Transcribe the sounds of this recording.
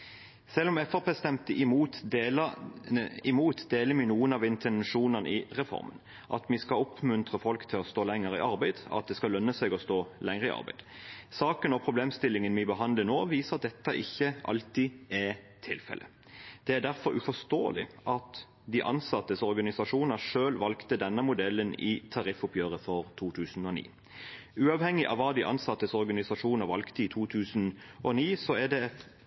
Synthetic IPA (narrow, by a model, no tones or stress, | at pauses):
sɛlːɔmɛfæʁpʰeːst̪ɛmt̪əʔɪmuːt̪ | ɪmuːt̪d̪eːləmɪnuːənɑʋɪnt̪ʰɛnʂuːnənʔɪʁɛfɔ̰ɾmə̰n | ʔɑ̰t̪mɪskɑɔpʰmʉnt̪ʁəfɔlkt̪ʰɪlɔst̪oːlɛŋːəʁɪ̰ʔɑɾbæɪd̪̥ɑ̰t̪̚d̪ɛskɑlœnːəsɛɡɔst̪oːlɛŋʁəɪɑ̰ʁbæ̰ɪd̪̥sɑːkənɔpʰɾʊbleːmst̪ɪlːɪŋənmɪbəɦɑnd̪lənoːʋiːsəʁɑt̪̚d̪ɛt̪ːɑʔɪçːəʔɑ̰lt̪iːæ | t̪ʰɪlfɛ̰lʔə̰ | d̪̥ɛæd̪æʁfɔɾʉfɔst̪o̰ːlɪ̰ʔɑt̪ | d̪iʔɑ̰nsɑt̪ːəsɔɾɡɑnɪsɑʂuːnəʂøːlʋɑlkt̪əd̪ɛnːəmʊd̪ɛlːənɪt̪ʰɑʁɪfʊpʰjøːʁəfɔʁt̪ʰuːt̪ʰʉːsn̩ɔnḭː | ʉːɑʋhɛŋːɪʔɑ̰ʋːɑːd̪ɪʔɑ̰nsɑt̪ːəsɔʁɡɑnɪsɑʂuːnəʁʋɑlkt̪əiːt̪ʰuːt̪ʰʉːsnʔɔniːsɔæd̪ɛ